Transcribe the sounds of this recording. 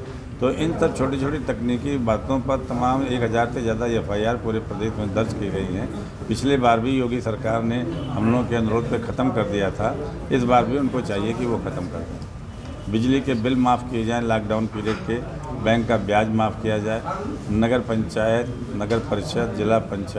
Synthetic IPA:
t̪oːʔɪnt̪ɐb̚t͡ʃʰoːʈit͡ʃʰoːʈit̪ɐkniːkibaːt̪õpɐɾt̪ɐmaːmeːkɦɐzaːɾsezjaːd̪aɛfaːiaːɾpuːɾepɾɐd̪eːʃmẽd̪ɐɾd͡ʒkiɡɐɦiɦɛ̃ː | pɪt͡ʃʰlebaːɾbʱijoːɡisɐɾkaːɾnehɐmloːɡõkeɐnʊɾoːd̪̚pekʰɐt̪əmkɐɾd̪ijat̪ʰa | ɪsbaːɾbʱiʊnkot͡ʃaːɦiekiʋokʰɐt̪əmkɐɾe | bɪd͡ʒlikebɪlmaːfkied͡ʒaːelaːk̚ɖaːʊnpiːɾeːʈ̚ke | bɛ̃ːŋkːabjaːd͡ʒmaːfʰkijad͡ʒaːenɐɡəɾpɐ̃ɲt͡ʃaːjət̪nɐɡəɾpɐɾɪʃəd̪̚d͡ʒɪlapɐ̃ɲt͡ʃa

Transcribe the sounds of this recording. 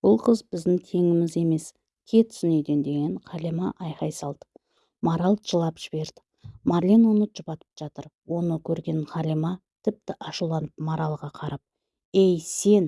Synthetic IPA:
b̥ʊlˠqʰəzbɪzd̪ɪŋt̪ʰe̞ŋɪmɪze̞me̞s | kʲʰe̞t̪ʰʏ̥sɪnejd̪e̞nd̪e̞ɡʲeɴqʰɑlemɑʔɑjqɑjsɑlˠd̪̥ə̥ | mɑɾɑlˠt̪ʒ̥əlˠɑpʒ̥ɪbe̞ɾd̪ɪ̥ | mɑɾlʲinwonəʒ̥əpɑt̪ə̥pʒ̥ɑt̪əɾwo̞nəkʲʰɵɾɡʲe̞ɴqɑlemɑt̪ʰɪp̚t̪ɪʔɑʃulˠɑnəp̚mɑɾɑlˠʁɑqʰɑɾɑp̚ | ejse̞n

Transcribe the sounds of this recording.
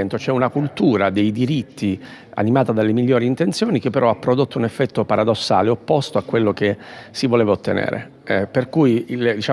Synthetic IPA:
ɛnt̪ot͡ʃɛunakult̪uːɾad̪ejd̪iɾit̪ːi | a̰nimaːt̪ad̪alːemiʎːoːɾiːnt̪ent̪sjoːnikepːeɾʔɔapːɾod̪ot̪ːounefːɛt̪ːopaɾad̪osːa̰ːleopːost̪oakːwelːokesivoleːvaot̪ːenḛːɾʔḛ | ɛperkujild̪it͡ʃa

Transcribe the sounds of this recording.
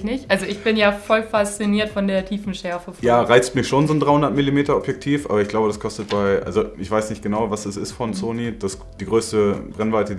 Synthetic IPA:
nɪçtʔʔalzoʔɪçb̥ɪnjaːfɔlfast͡siniːɐtfɔndeːɐtʰiːfn̩ʃɛɐfəjaːʁaɪt͡stmɪçʃoːnzoːndʁaɪhʊndɐtmɪlimeːtɐɔpjɛk̚tʰiːfʔaːbɐɪçɡ̥laʊbədaskʰɔstət̚b̥aɪʔa̰lzoʔɪçv̥aɪsnɪçt̚ɡ̥ənaʊvasɛsɪstfɔnt͡soːnid̥as | d̥iːɡʁøːstəbʁɛnvaɪtə

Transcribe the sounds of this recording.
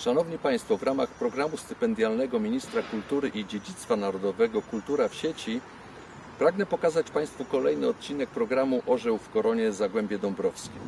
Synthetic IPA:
ʂanɔvɲipaj̃st̪fɔvɾamaxpɾɔɡɾamust̪ɘ̥pɛnd̪ʲjalnɛɡɔmʲiɲist̪ɾakult̪uɾɘʔid͡ʑed͡ʑit̪st̪fanaɾɔd̪ɔvɛɡɔkult̪uɾafɕet͡ɕi | pɾaɡnɛpɔkazat͡ɕpaj̃st̪fukɔlɛjnɘɔt̪̚t͡ɕinɛk̚pɾɔɡɾamuʔɔʐɛwfkɔɾɔɲɛzaɡwɛmbʲjɛd̪ɔmbɾɔfskʲij

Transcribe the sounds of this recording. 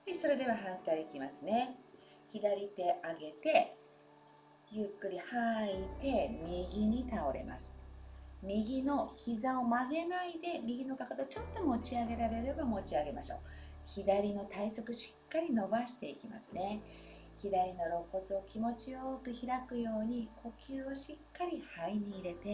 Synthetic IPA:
eso̞ɾe̞d̪e̞βaɦãnt̪aiikʲimasɨne̞ | çid̪aɾʲit̪e̞ʔaɡe̞t̪e̞ | jɯ̟kːɯ̟ɾʲihait̪e̞mʲiɡʲiɲ̟it̪ao̞ɾe̞̰mʔa̰sɨ̥mʲiɡʲino̞çizao̞maɡe̞naid̪e̞mʲiɡʲino̞kakat̪ot͡ɕo̞t̪ːo̞mo̞t͡ɕiaɡe̞ɾaɾe̞ɾe̞bamo̞t͡ɕiaɡe̞maɕo̞̰ː | çid̪aɾʲino̞t̪aiso̞kɯ̟ɕi̥kːaɾʲino̞baɕi̥t̪e̞ikʲima̰sɨne̞ | çid̪aɾʲino̞ɾo̞kːo̞t͡sɨo̞kʲimo̞t͡ɕio̞ːkɯ̟çiɾakɯ̟jo̞ːɲ̟ikʰo̞kʲɨːo̞ɕikːaɾʲihaiɲ̟iːɾe̞t̪e̞

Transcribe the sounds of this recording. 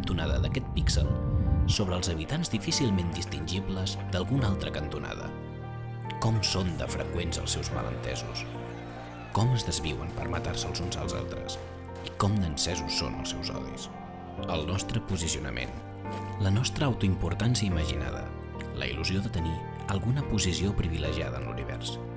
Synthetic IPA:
nt̪unaðəðəkɛt̪̚piksə̰lˠsoβɾəːlˠzəβit̪anzdifisilˠmend̪ist̪inʲʒiβləzd̪əlˠɣunalˠt̪ɾəkənt̪una̰ðə̰ | kɔmsond̪ə̰fɾəkwenzə̰lˠsɛwzmə̰lə̰nt̪ɛ̰zṵs | kɔməzðəzβiwəmpəɾmət̪arsəlˠzunzə̰lˠza̰lˠt̪ɾə̰s | ikɔmnənsɛzusːo̰nə̰lˠsɛwzɔ̰ðḭs | əlˠnɔst̪ɾəpuzisiunə̰mʔḛn | lənɔst̪ɾəːwt̪uimpuɾt̪ansiəiməʒina̰ðə̰ | lə̰ḭluzioðət̪əni | əlˠɣunəpuzisiopɾiβiləʒiaðəːnlṵniβɛ̰rs

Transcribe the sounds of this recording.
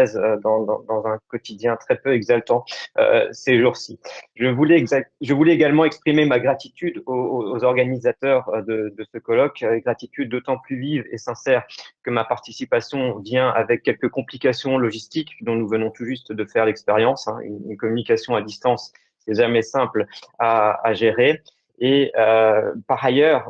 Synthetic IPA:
ɛzød̪ɑ̃d̪ɑ̰̃d̪ɑ̃zɛ̃kɔt̪id̪jɛ̃t̪χɛpøɛɡzalt̪ɑ̃ø̰seʒuʁsiʒəvulɛzʒəvulɛeɡalmɑ̃ɛkspχimemaɡʁat̪it̪yd̪ooːzɔʁɡanizat̪œʁød̪əd̪əsəkɔlɔkɡʁat̪it̪yd̪̚ːot̪ɑ̃plyvivḛsɛ̃sɛːʁkəmapaʁt̪isipasjɔ̃vjɛ̃a̰vɛkʲːɛlkəkɔ̃plikasjɔ̃lɔʒist̪ikd̪ɔ̃nuvənɔ̃t̪uʒyst̪d̪əfɛʁlɛkspeʁjɑ̃sɛ̰̃y̰ny̰nkɔmynikasjɔ̃ad̪ist̪ɑ̃s | sɛʒamɛsɛ̃plaaʒeʁeː | øpaʁajœːʁ

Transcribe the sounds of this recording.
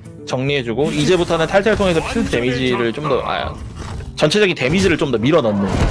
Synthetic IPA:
t͡ɕʌŋɲiɦe̞d͡ʑuɡoid͡ʑe̞butʰʌnɯntʰaɭt͡ɕʰaɭtʰoŋe̞sʰʌpʰiɭt͈e̞mid͡ʑiɾɯɭt͡ɕ͈omdʌʔa̰ | t͡ɕʌnt͡ɕʰe̞d͡ʑʌɡinte̞mid͡ʑiɾɯɭt͡ɕ͈omdʌmiɾʌnʌnːɯn

